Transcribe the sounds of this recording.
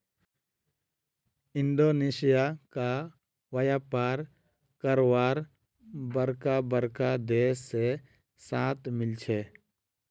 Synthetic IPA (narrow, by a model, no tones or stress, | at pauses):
ɪ̃nd̪oːneːsɪjaka | wəjaːpaːɾ | kəɾwaːɾ | bəɾkabəɾkad̪eːsːe | saːt̪ʰmɪlt͡ʃʰeː